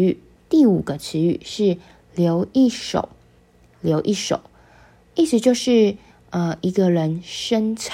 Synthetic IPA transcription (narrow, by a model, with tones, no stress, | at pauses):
y˥˩ | t̪i˥˩u˨˩ɡ̥ə˦t͡s̩ʰ˧˦y̰˥˩ʂɻ̩˥˩ | ljo˧˥ʊi˥˩ʂo̰˨˩˦ʊ | ljo˧˥ʊʔi˥˩ʂo̰˨˩˦ʊ | i˥˩ʂʰɻ̩˧˥t͡ɕjo˥˧ʊʂɻ̩˥˩ | ə˧i˧˥ɡə˧ɻə˧˦nʂə˥nt͡sʰ